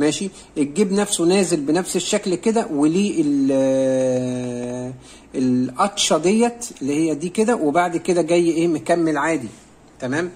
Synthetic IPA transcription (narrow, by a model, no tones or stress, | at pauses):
mæːʃi | ʔet̪̚ɡiːbnæfsunæːzelbenæfseʃːæklked̪æweliːʔel | elʔɑt̪ˤʃɑd̪ejːɑelːihejːæd̪iːked̪æwebaʕd̪ked̪æɡæjːʔeːmekæmːelʕaːd̪i | t̪æmæːm